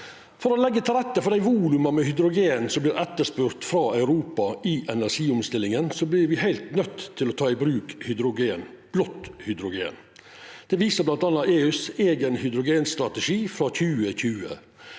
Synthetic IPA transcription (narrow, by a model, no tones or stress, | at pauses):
fɔɾɔlɛɡːət̪ʰɪlɾɛt̪ːəfɔɖ̪æɪʋuːlʉmɑmɛhʏd̪ɾʊɡeːnsɔmblɪːɾʔɛt̪ːəʂpʉːɾt̪fɾɑœʉɾuːpɑiʔɛnæɾʂiːʊmst̪ɪlɪŋənsɔblɪɾʋɪhæɪlt̪nœt̪ʰːɪlɔt̪ʰɑːɪbɾʉːkhʏd̪ɾʊɡeːn | b̥lɔt̪ːhʏd̪ɾʊɡḛːn | d̪̥ɛʋiːsəblɑnt̪ɑnːɑʔeːʉːseːɡənhʏd̪ɾʊɡeːnst̪ɾɑt̪ɛʂiːfɾɑçʉːəçʉːə̰